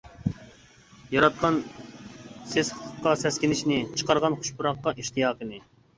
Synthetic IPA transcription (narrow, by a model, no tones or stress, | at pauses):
jɑɾɑt̪̚qʰɑn | sezχəəqːɑsɛskʲinɪʃnɪt͡ʃʰə̥qɑɾʁɑnχu̥ʃpuɾɑqːɑʔiʃt̪ʰijɑːqənɪ